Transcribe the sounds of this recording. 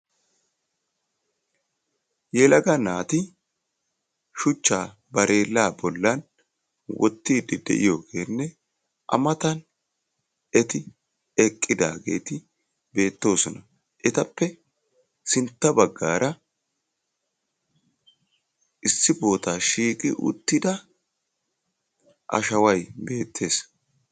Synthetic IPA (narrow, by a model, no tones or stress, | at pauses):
jɛlɐɡɐnaːt̪ɪ | ʃʊt͡ʃːaː | bɐɾʔe̞ːlːaːbɔlːɐn | wɔ̰t̪ːiːd̪ːɪd̪ɛ̰ʔɪjo̞ːɡe̞ːnːɛ | ʔɐ̰mɐt̪ɐn | ɛt̪ɪ | ɛkʼːɪd̪a̰ːɡe̞̰ːt̪ɪ | be̞ːt̪ːo̞ːsɔnɐ | ʔɛt̪ɐpːɛ | sɪnt̪ːɐbɐɡːaːɾɐ | ʔɪsːɪbo̞ːt̪aːʃiːkʼɪ̰ʔʊ̰t̪ːɪd̪ɐ | ʔɐ̰ʃɐwɐjbe̞ːt̪ʰːe̞ːs